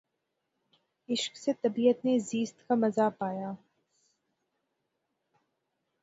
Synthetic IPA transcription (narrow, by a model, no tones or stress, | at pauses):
ɪʃksɛt̪ɐbijɐt̪neziːst̪kamɐzaːpaːjaː